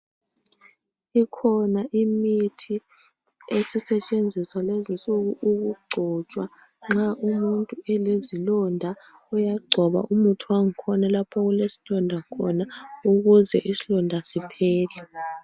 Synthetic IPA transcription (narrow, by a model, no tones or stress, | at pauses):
ikʰɔnaʔimitʰi | esisɛt͡ʃʼend͡zʱiswalezisʼuɣuʔuɣuɡ͡ǃʱɔt͡ʃʼwa | ŋ͡ǁaʔumuntʼuɛlezilɔndʱa | ɔjaɡ͡ǀʱɔβa̰ʔumutʰuwaŋikʰɔnalapʰɔɣulesi̥lɔndʱakʰɔnauɣuzɛ̰ʔisilɔndʱasipʰɛːlɛ